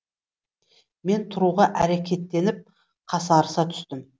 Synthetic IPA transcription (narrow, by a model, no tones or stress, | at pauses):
me̞nt̪ʰʊɾuʁɑʔæɾekʲe̞t̪ːe̞nɪp̚ | qʰɑsɑɾəsɑt̪ʰʏ̥st̪ɪm